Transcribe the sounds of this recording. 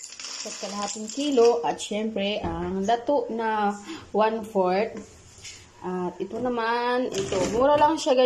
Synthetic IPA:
pɐt̪̚kɐlɐhaːt̪ɪŋkiːlo̞ʔɐt̪̚ʃɛmpɾɛʔɐŋlɐt̪oʔnɐwanfoɹt̪̚ | ʔat̪ɪt̪o̞nɐmanʔɪt̪omuɾalaŋʃaɡɐ

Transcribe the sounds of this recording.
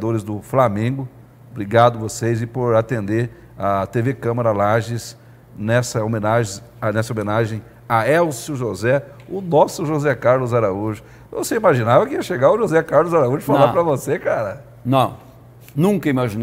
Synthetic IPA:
d̪oɾɪzd̪ʊflamẽɡʊ | bɾiɡad̪ʊvosejzɪpoɾat̪ẽnd̪eɾ | at̪evekɐ̃maɾɐlaʒɪs | nɛsɐomẽnaʒẽ | nɛsɐomẽnaʒẽj̃ | aɛwsuʊʒozɛ | ʊnɔsʊʒozɛkaɾlʊzaɾauʒʊ | vo̰seimaʒĩnavɐkɪiɐʃeɡaʊʒozɛkaɾlʊzaɾauʒʊfalapɾɐvosekaɾɐ | nɐ̃w̃ | nũŋkɐimaʒin

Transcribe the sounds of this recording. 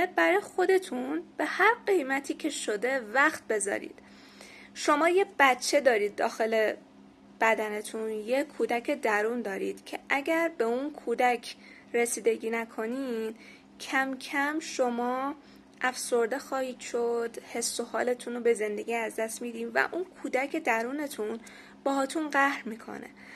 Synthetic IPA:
bæɾɒːjxo̞d̪e̞t̪ʰunb̥e̞hæɾɢe̞jmæt̪ʰiːcʰe̞ʃo̞d̪e̞væxt̪̚be̞zɒ̰ɾḭːd̪̥ | ʃo̞mɒːjeb̥æt̪t͡ʃʰe̞d̪ɒːɾiːd̪̚ːɒ̰ːxe̞le̞ | b̥æd̪æne̞t̪ʰunjekʰuːd̪æcʰed̪æɾuːnd̪ɒːɾḭːd̪̥cʰe̞ʔæɟæɾbe̞unkʰuːd̪æcʰ | ɾe̞siːd̪e̞ɟiːnækʰo̞niːd̪̥ | cʰæmcʰæmʃomɒː | ʔæfso̞ɾd̪e̞xɒːhiːd̪̥ʃod̪̥he̞sːohɒːle̞t̪ʰunobe̞ze̞nd̪e̞ɟiːæzd̪æst̪mid̪iːmvæ̰ʔunkʰuːd̪æcʰe̞d̪æɾuːne̞t̪ʰun | b̥ɒːɦɒːt̪ʰunɢæhɾmiːkʰo̞̰nḛ

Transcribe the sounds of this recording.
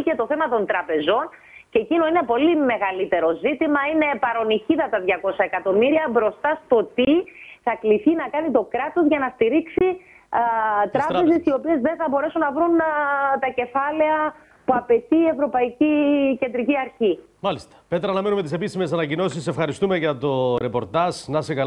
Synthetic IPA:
ce̞t̪o̞θe̞mɐt̪o̞nt̪ɾɐpe̞zo̞n | cecino̞inepo̞lime̞ɣɐlit̪e̞ɾo̞zit̪imɐine̞pɐɾo̞niçiðɐt̪ɐðʝɐko̞sɐekɐt̪o̞miɾiɐbɾo̞st̪ɐst̪o̞t̪iθɐkliθinɐkɐnit̪o̞kɾɐt̪o̞zʝɐnɐst̪iɾiksi | t̪ɾɐpe̞ze̞sio̞pie̞zðe̞nθɐbo̞ɾe̞sunːɐvɾunt̪ɐce̞fɐle̞ɐ | puɐpe̞t̪iːe̞vɾo̞pɐicice̞nd̪ɾiciɐɾçi | mɐlist̪ɐ̥pe̞t̪ɾɐɐnɐmenumet̪ise̞pisime̞sɐnɐcino̞sisːefxɐɾist̪umeʝɐt̪o̞ɾepo̞ɾt̪ɐznɐsekɐ

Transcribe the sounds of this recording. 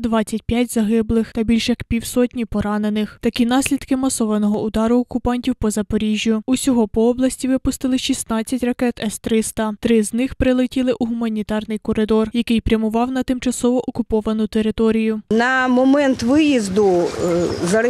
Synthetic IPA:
d̪ʋɑt͡sʲːɐtʲpʲjatʲzɐɦɪblˠɪxt̪ɐbʲilʲʃjɐkpʲiwsɔtʲnʲipɔɾɑne̞nɪxt̪ɐkʲinɑsʲlʲid̪kɪmɐsɔʋɐnɔɦɔud̪ɑɾʊɔkʊpɑnʲtʲiwpɔzɐpɔɾʲiʒʲjʊusʲɔɦɔpɔɔblˠɐsʲtʲiʋɪpʊst̪ɪlˠɪʃist̪nɑt͡sʲːɐtʲrɐkɛt̪ɛst̪ɾɪst̪ɐt̪ɾɪznɪxpɾɪlˠɪtʲilˠɪʔuɦʊmɐnʲit̪ɑrnɪjkɔɾɪd̪ɔrjɐkɪjpɾʲjɐmʊʋɑwnɐt̪ɪmt͡ʃɐsɔʋɔʔɔkʊpɔʋɐnʊt̪e̞ɾɪt̪ɔɾʲijʊnɐmɔmɛnt̪ʋɪjizd̪ʊ | zɐ

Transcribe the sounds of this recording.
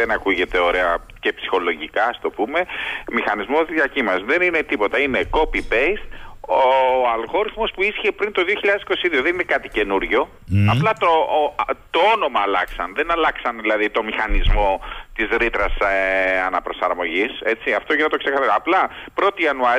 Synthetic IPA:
enɐkuʝe̞t̪e̞o̞ɾe̞ɐ | ce̞psi̥xo̞lo̞ʝikɐɐst̪o̞pume̞mixɐnizmozðiɐcimɐzðe̞ninet̪ipo̞t̪ɐineko̞pipest̪oɐlɣo̞ɾiθmo̞spuisçepɾint̪o̞ðioçiʎɐðesi̥ko̞siðio̞ðe̞ninekɐt̪ice̞nuɾʝo̞ | ɐplɐt̪ot̪o̞ono̞mɐːlɐksɐnðe̞nɐlɐksɐnðilɐðit̪o̞mixɐnizmo̞t̪izɾit̪ɾɐsɐnɐpɾo̞sɐɾmo̞ʝise̞t͡siɐft̪o̞ʝinɐt̪o̞kse̞kɐθɐɾɐplɐpɾo̞t̪iiɐnuɐ

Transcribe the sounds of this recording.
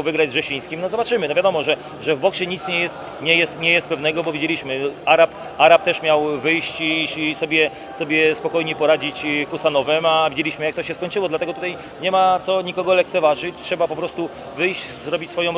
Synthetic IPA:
wvɘɡɾad͡ʑzʐɛɕij̃skʲimnɔzɔbat͡ʂɘmɘnɔvʲjad̪ɔmɔʐɛ | ʐɛvbɔkɕɛɲit̪sɲɛjɛst̪ | ɲɛjɛst̪ɲɛjɛst̪̚pɛvnɛɡɔbɔvʲid͡ʑelʲiɕmɘaɾap | aɾap̚t̪ɛʂmʲjawvɘjɕt͡ɕisɔbʲjɛ | sɔbʲjɛspɔkɔjɲɛpɔɾad͡ʑit͡ɕkusanɔvɛmavʲid͡ʑelʲiɕmɘjakt̪ɔɕɛskɔɲt͡ʂɘwɔd̪lat̪ɛɡɔt̪ut̪aj | ɲɛmat̪sɔɲikɔɡɔlɛkt̪sɛvaʐɘt͡ɕtʂɛbapɔpɾɔst̪u | vɘjɕt͡ɕzɾɔbʲit͡ɕsfɔjɔ̃w̃

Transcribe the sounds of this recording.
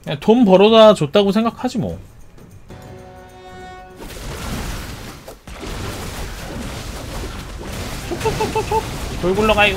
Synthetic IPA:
etompʌɾʌdat͡ɕot̚t͈aɡosʰe̞ŋɡakʰad͡ʑimo̰ | t͡ɕʰot͡ɕʰot͡ɕʰot͡ɕʰot͡ɕʰotoɭɡuɭːʌɡai

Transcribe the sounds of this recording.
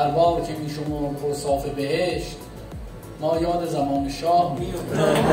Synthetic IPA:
æɾbɒːɾcʰemiːʃ̬omuːɾkʰoɾsɒːfe̞beheʃt̪ | nɒːjɒːd̪ezæmɒːneʃɒːhmijoft̪eː

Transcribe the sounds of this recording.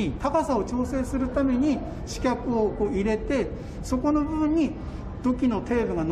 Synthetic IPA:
it̪akasao̞t͡ɕo̞ːse̞ːsɨɾɯ̟t̪ame̞ɲ̟i | ɕi̥kʲakɯ̟oko̞ːiɾe̞t̪e̞ | so̞ko̞no̞bɯɯɲ̟ːi | d̪̥o̞kʲino̞t̪e̞ːbɯ̟ɡan

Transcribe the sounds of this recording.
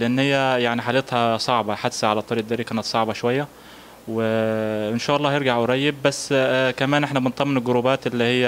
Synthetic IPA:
leʔenːhɪjːæjaʕniħaːlet̪hæsˤɑʕbɑħad̪sæʕalæt̪ˤːɑɾiːʔd̪ɑːɾikæːnæt̪sˤɑʕbɑʃowæjːæ | weɪnʃæːʔɑlˤːɑːhjeɾɡaʕweɾˤɑjːeb̚bæsːkæmæːnʔeħnæbent̪ˤɑmːenelɡoɾuːbæːt̪ʔelːihejːæ

